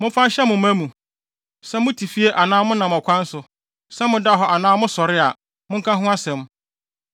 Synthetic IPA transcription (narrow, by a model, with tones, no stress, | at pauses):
mʊ̃˦fã˦ɕɛ˦mʊ̃˨m˦ã˦mũ˨ | sɛ˦mʊ̃˦tʰi˨fi˦e˦ʔa˨nãː˦mʊ̃˦nã˨m˨ɔ˨kʷʰã˦n̩˦sʊ˨ | sɛ˦mʊ̃˨da˦ɦɔ˨ʔa˨nãː˦mʊ̃˦sɔ˨ɾɪ˦a˨ | mʊ̃˦ŋ̩˦kʰã˦ɦʊ̃˦a˦sɛ̃˨m˦